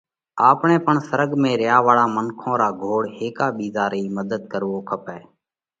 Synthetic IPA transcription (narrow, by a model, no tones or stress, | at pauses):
aːpɳẽːpəɳsəɾəɡmẽːɾɪjaːʋaːɭaːmənkʰõːɾaːɡʱoːɽɦeːkaːɓiːzaːɾiːməd̪əd̪̚kəɾʋoːkʰəpɛː